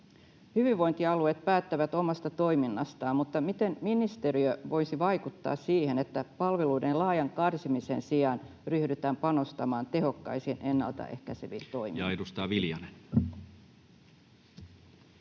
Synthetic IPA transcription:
hyʋiʋʋo̞jnt̪iɑluet̪̚pæːt̪ːæʋæt̪o̞mɑst̪ɑt̪o̞iminːɑst̪ɑːmmut̪ːɑmit̪e̞mminist̪eɾiøʋo̞jsiʋɑjkut̪ːɑ̰ːssiːhenet̪ːæpɑlʋeluidenlɑːjɑŋkɑrsimisḛnsiɑn | ryhdyt̪æːmpɑno̞st̪ɑmɑːnt̪e̞ɦo̞kːɑ̰isinʔe̞nːɑ̰lt̪ɑ̰ʔe̞̰hkæseʋḭnt̪o̞imḭjɑedust̪ɑːʋiljɑlen

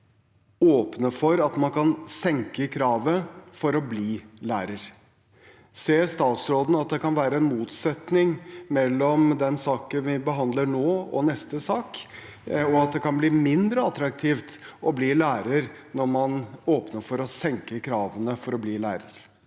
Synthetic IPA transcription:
oːpnəfɔɾɑt̪mɑnkɑnsɛŋkəkʰɾɑːʋəfɔɾɔbliːlæːɾəɾ | seːst̪ɑːt̪sɾoːd̪n̩ɑt̪̚d̪ɛkɑnʋæːɾəɛnmuːt̪sɛt̪nɪŋmɛlːɔmd̪ɛnsɑːkənʋɪbəɦɑnd̪ləɳoːɔ̰nɛst̪əsɑːk | ɔɑt̪̚d̪ɛkʰɑnbliːmɪnd̪ɾəɑt̪ɾɑk̚t̪ʰiːft̪ʔɔbliːlæːɾəɾ | nɔɾmɑnoːpnəɾfɔɾɔsɛŋkəkʰɾɑːʋənəfɔɾɔbliːlæːɾəɾ

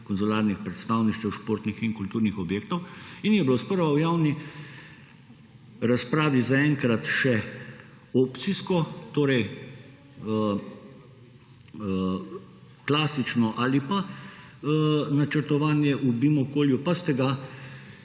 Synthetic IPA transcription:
kɔnzulaːɾnixpɾɛt̪st̪aːwniʃt͡ʃ̪ɛwʃpoːɾt̪nixiŋkult̪uːɾnixɔbjeːk̚t̪ɔwinjɛbilospəɾʋawjaːwni | ɾaspɾaːʋizaɛŋkɾat̪ʃɛ | ɔpt̪siskɔt̪oːɾɛj | klaːsit͡ʃnɔʔalipa | nat͡ʃəɾt̪ɔʋaːnjɛʔubimɔkoːljupast̪ɛɡa

